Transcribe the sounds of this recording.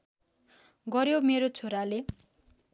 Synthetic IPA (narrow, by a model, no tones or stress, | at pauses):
ɡʌɾjomeɾot͡sʰoɾale